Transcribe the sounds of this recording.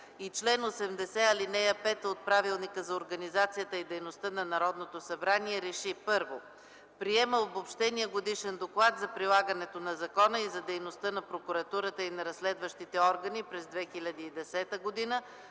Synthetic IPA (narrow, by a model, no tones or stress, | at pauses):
it͡ʃlɛnosɛmd̪ɛsɛɐlinɛjəpɛt̪ot̪̚pɾavilˠnikəzɐoɾɡɐnizat̪sijət̪əid̪ɛjnost̪ənɐnɐɾɔd̪not̪osɐbɾaniɛɾɛʃipɤɾvo̰ | pɾiɛməobopʃt̪ɛniəɡod̪iʃɛnd̪oklˠat̪zɐpɾilˠaɡənɛt̪onɐzɐkɔnəizɐd̪ɛjnost̪ənɐpɾokuɾɐt̪uɾət̪əinɐɾɐslɛd̪vəʃt̪it̪ɛɔɾɡənipɾɛzd̪vɛxilʲɐd̪iːd̪ɛsɛt̪əɡod̪inə